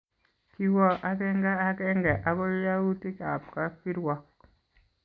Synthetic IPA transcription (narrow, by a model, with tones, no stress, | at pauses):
ki˦wɔ˦˨ʔa˦kɛ˦ŋɡa˦a˦kɛ˦ŋɡɛ˨ʔa˨ɡɔ˦ja˦u˦ti˦ka˨pka˦pi˦ɾwɔ˨k̚